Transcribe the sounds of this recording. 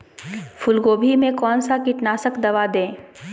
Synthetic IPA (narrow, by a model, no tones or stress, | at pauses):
fʰʊlɡoːbʱimẽkɔːnsakɪʈnaːsəkd̪ɐʋad̪ẽː